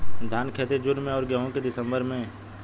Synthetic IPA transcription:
d̪ʱaːnkʰeːt̪ed͡ʒʊɾmẽɔːɾɡəɦõked̪ɪsə̃mbəɾmẽ

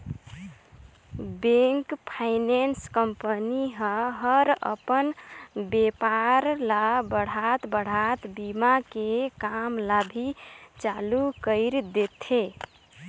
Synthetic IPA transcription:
beŋkpʰaɪnenskəmpəniɦə̃ɦəɾə̰pənbepaɾlabəɽ̤at̪bəɽ̤at̪bimakekamlabʱit͡ʃalukəɪɾd̪et̪ʰe

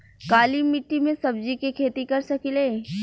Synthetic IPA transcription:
kaːlimɪʈːimẽsɐbd͡ʒikekʰeːt̪ikɐɾsɐkileː

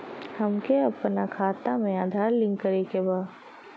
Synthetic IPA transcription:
hɐmkeɐpnakʰaːt̪amẽaːd̪ʱaːɾlɪ̃ŋɡkəɾekebaː

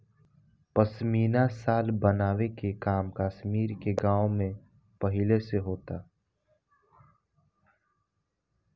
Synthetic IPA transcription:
pəsmiːnasaːlbənaːwekekaːmkaːʃmiːɾkeɡãːwomẽ | pəɦɪleseɦoːt̪aː

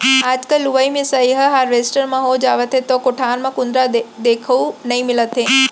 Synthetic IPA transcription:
aːd͡ʒkəlːʊʋaimẽsaiɦɐɦaːɾʋeːsʈəɾmãɦod͡ʒaːʋət̪ɦet̪okoʈʰaːnmãkʊ̃nd̪ɾad̪eːkʰəunɐɦĩmɪlət̪ɦe

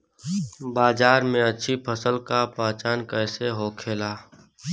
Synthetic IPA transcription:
baːd͡ʒaːɾmẽətːʃʰipʰəsəlkapãːt͡ʃaːnkəɪseɦoːkʰeːlaː

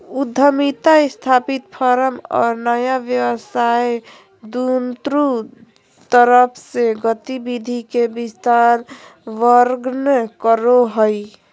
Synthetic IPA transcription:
ud̪ʱːəmit̪aest̪ʰapit̪̚pʰəɾəmɔ̰ːɾnəjabjəwəsaj | d̪unt̪ɾu | t̪əɾəpʰseɡət̪ibid̪ʱikebist̪aɾ | ʋəɾɡnkəɾoɦəj

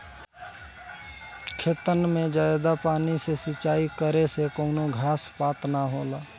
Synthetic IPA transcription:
kʰeːt̪ənmẽd͡ʒaːjd̪apaːnisesɪt͡ʃaːikəɾesekoːnoɡʱaːspaːt̪naɦoːlaː

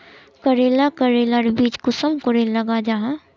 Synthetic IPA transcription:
kəɾeːlakəɾeːlaɾbiːt͡ʃkʊsəmkʊɾelɐɡad͡ʒaɦa

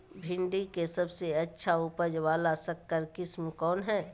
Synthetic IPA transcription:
bʱɪ̃ɳɖikesɐbseɐtːʃʰaupəd͡ʒwaːlasɐkːəɾkɪsmẽkɔːnɦɛː

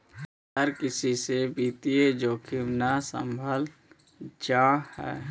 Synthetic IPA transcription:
həɾkɪsisebiːt̪ied͡ʒoːkʰɪmnasə̰̃mbʱəl | d͡ʒaːhɛ̰ː

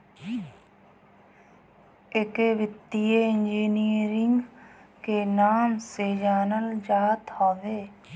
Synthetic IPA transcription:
ɪkeːʋɪt̪ːijeɪnd͡ʒiːniːəɾɪŋɡkeːnaːmseːd͡ʒaːnəld͡ʒaːt̪hoːʋeː

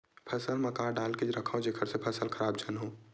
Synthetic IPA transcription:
pʰəsəlməkaːɖaːlked͡ʒɾəkʰaõd͡ʒekʰəɾsepʰəsəlkʰəɾaːbd͡ʒənɦoː

